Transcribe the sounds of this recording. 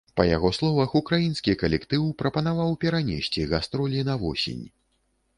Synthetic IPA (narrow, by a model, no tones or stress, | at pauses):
pɐjaɣɔslˠɔvɐxukɾajinskʲikɐlʲɛkt̪ɨwpɾɐpɐn̪avawpʲɛɾanʲesʲt͡sʲiɣast̪ɾɔlʲinɐvɔsʲḛnʲ